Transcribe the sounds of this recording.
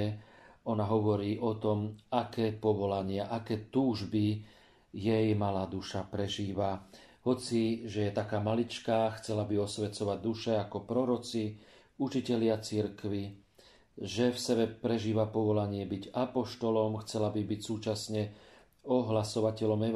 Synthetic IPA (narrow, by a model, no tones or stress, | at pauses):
ɔnaɦɔʋɔɾiːʔɔt̪ɔmakɛːpɔʋɔlaɲɪaʔakɛːt̪uːʒbi | jɛjmalaːd̪uʃapɾɛʒiːʋa | ɦɔt͡siʒɛjɛt̪akaːmalit͡ʃkaxt͡sɛlabiɔsʋɛt͡sɔʋaɟ̚d̪uʃɛakɔpɾɔɾɔt͡si | ut͡ʃicɛʎɪat͡siɾkʋi | ʒɛfsɛbɛpɾɛʒiːʋapɔʋɔlaɲɪɛbiɟapɔʃt̪ɔlɔmxt͡sɛlabibicsuːt͡ʃasɲɛ | ɔɦlasɔʋacɛʎɔmɛ